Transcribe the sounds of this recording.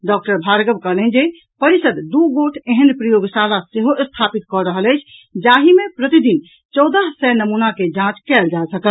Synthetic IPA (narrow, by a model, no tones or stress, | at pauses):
ɖɔk̚ʈəɾbʱaɾɡəbkəɦlɛnd͡ʒe | pəɾisəd̪d̪uɡoʈʰeɦənpɾəjoɡsalaseɦoʔst̪ʰapit̪kɔɾəɦələjt͡ʃʰd͡ʒaɦimepɾət̪id̪in | t͡ʃɔd̪əɦsɛnəmunaked͡ʒãt͡ʃkɛld͡ʒasəkəl